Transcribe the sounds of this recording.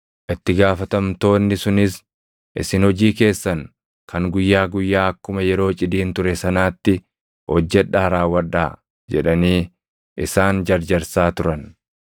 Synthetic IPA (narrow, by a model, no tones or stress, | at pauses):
ʔɪt̪ːɪɡaːfɐt̪ɐmt̪o̞ːnːɪsʊnɪs | ʔɪ̰sɪnhɔd͡ʒiːke̞ːsːɐn | kʰɐŋɡʊjːaːɡʊjːaːɐkːʊmɐjɛɾo̞ːt͡ʃʼɪd̪iːnt̪ʊɾɛsɐnaːt̪ːɪ | hɔd͡ʒːɛᶑaːɾaːwːɐᶑːaː | d͡ʒɛᶑɐniː | ʔɪsaːnd͡ʒɐɾd͡ʒɐɾsaːt̪ʊɾɐn